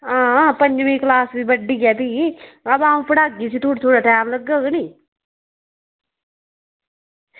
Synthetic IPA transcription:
ãːpəɲd͡ʒmẽːklaːsbibəɖikɛːt̪iɐbaːũpəɽaːɡisit̪ʰuːʈt̪ʰoːɽaːʈaːmləɡːaɡəniː

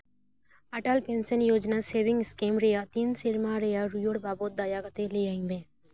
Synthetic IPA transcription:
ɐʈalpẽːnsənjoːd͡ʒnaseːʋɪ̃ŋɡskeːmɾejat̪iːnsɪɾmaɾejaɾujoɽbaːbot̪̚d̪aːjakət̪elejaĩŋbẽː

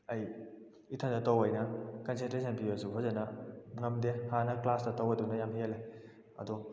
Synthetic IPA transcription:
ɐj | itʰandɐtɐwɐjnɐkɐnsentɾes̬ʰɐnpibɐsuɦɔzɐnɐŋɐmdehanɐklasdɐtɐwɐdunɐjamheele | ɐ̰dɔ

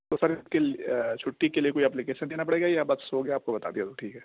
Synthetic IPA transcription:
t̪osɐɾɪket͡ʃʰʊʈːikeliekoːiɛːplɪkeːʃənd̪eːnap̬ɐɽeːɡajbɐt̪soːɡeaːp̚kobɐt̪a̰d̪ijat̪oʈʰiːkɦɛː

